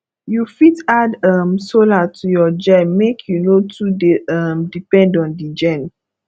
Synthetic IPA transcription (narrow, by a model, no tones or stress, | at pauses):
jufitadamsolatʰujɔd͡ʒɛ̃nmekʰjunotʰudeamdipɛ̃ndɔ̃ndid͡ʒɛ̃n